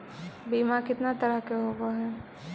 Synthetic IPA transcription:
biːmakɪt̪nat̪ɐɾəɦkeɦoːɡaɦɛː

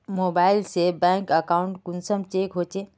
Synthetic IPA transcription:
moːbaːɪlsebɛ̃ːŋkəkaːʊ̃ɳʈkʊnsəmt͡ʃeːkɦoːt͡ʃeː

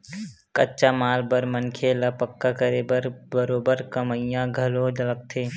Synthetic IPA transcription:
kətːt͡ʃamaːlbəɾmənkʰeləpəkːakəɾeːbəɾbəɾoːbəɾkəməjãɡʱəlod͡ʒələk̚t̪ʰeː

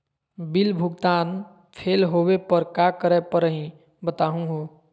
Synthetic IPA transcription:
bilbʱuɡ̚t̪aːn | pʰelɦowepəɾkakəɾɛpəɾəɦĩ | bət̪aɦũɦo

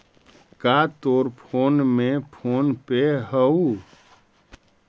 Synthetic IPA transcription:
kat̪oɾpʰonmepʰonpeɦəu

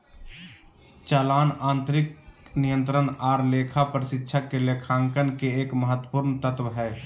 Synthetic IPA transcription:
t͡ʃaːlaːnãːnt̪ɾɪknijə̃nt̪ɾənaːɾleːkʰapɾɪsɪtːʃʰakelekʰaːŋkənkeeːkməɦət̪ːwəpuɾnt̪ət̪ʋɦɛ

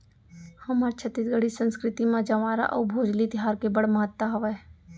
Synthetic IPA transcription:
həməɾt͡ʃʰət̪ɪt̪̚ɡəɽ̤isə̃nskɾɪt̪imãd͡ʒəʋaːɾa̰ʔɔ̰ːbʱoːd͡ʒlit̪ɪɦaːɾkebəɽməɦət̪ːəɦəʋə

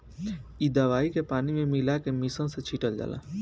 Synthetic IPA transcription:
id̪ɐʋaːikepaːnimẽmɪlakemisə̃set͡ʃʰiːʈəld͡ʒa̰ːla̰ː

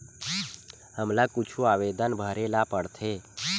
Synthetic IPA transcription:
həmlakʊt͡ʃʰuaʋed̪ənbʱəɾelapəɽt̪ʰe

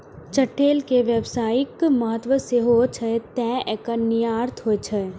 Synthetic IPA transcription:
t͡ʃɐʈːeːlkeʋəbsaːjɪkmɐɦət̪ʋəseːɦot͡ʃʰəet̪ɛ̃ːɛkɐnijaːɾt̪ʰɦoet͡ʃʰə

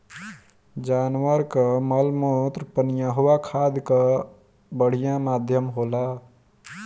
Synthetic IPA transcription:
d͡ʒanwəɾkəməlmot̪ɾpənijãɦowakʰad̪kə | bəɽ̤ijãmad̪ʱjəmɦola

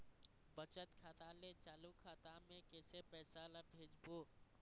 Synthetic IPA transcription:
bət͡ʃət̪kʰaːt̪alet͡ʃaːlukʰaːt̪amẽkeːsepɛːsaləbʱeːd͡ʒboː

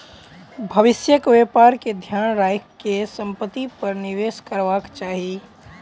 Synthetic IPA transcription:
bʱɐʋɪsjəkʋeːpaːɾked̪ʱjaːnɾaːjkkesə̃mpət̪ːipɐɾnɪʋeːskəɾʋaːkt͡ʃaːɦieː

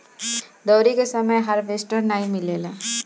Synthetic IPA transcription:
d̪ɔːɾikesɐməjɦɐɾʋeːsʈəɾnaːĩmɪleːlaː

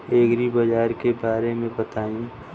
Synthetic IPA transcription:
eːɡɾibɐd͡ʒaːɾkebaːɾemẽbət̪aːũ

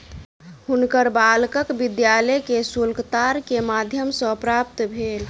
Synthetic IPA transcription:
hunkəɾbalkəkbid̪jalɛkesulkt̪aɾkemad̪ʱjəmsə̃pɾapt̪bʱel

